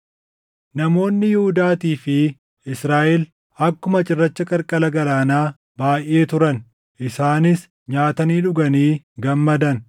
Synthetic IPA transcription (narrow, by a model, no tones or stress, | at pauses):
nɐmo̞ːnːɪjɪhʊd̪aːt̪iːfɪ | ɪsɾaːʔɛl | ɐkːʊmɐt͡ʃʼɪrːɐt͡ʃːɐkʼɐɾkʼɐlɐɡɐlaːnaː | baːjʔːe̞ːt̪ʊɾɐn | ʔɪsaːnɪs | ɲaːt̪ɐniːᶑʊɡɐniː | ɡɐmːɐd̪ɐn